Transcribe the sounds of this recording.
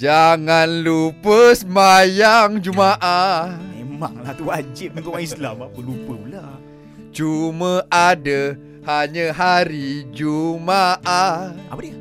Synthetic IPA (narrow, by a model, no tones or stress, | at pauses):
d͡ʒaŋanlupəsmajaŋd͡ʒumaʔamema̰ŋlaht̪uad͡ʒɪt̪̚mənt̪ʊʔaislamapəlupəla | t͡ʃuməadə | haɲəɦaɾid͡ʒumaʔaʔa̰pədi